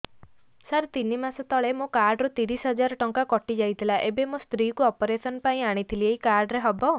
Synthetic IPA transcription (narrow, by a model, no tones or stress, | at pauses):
saɾt̪inimasɔt̪ɔɭemõkaɾɖɾut̪iɾisɦɔd͡ʒaɾɔʈɔŋkakɔʈid͡ʒajt̪ʰilaʔebemost̪ɾikuɔpɔɾesɔnpaĩaɽ̃it̪ʰilieikaɾɖɾeɦɔbɔ